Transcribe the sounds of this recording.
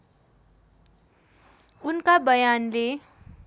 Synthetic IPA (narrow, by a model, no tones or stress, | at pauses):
unkabʌjanle